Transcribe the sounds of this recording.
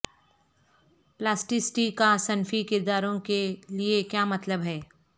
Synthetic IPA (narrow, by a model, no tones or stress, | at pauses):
plaːsʈɪsʈikasɐnfikɪɾd̪aːɾõkeliekjaːmɐt̪ləbɦɛː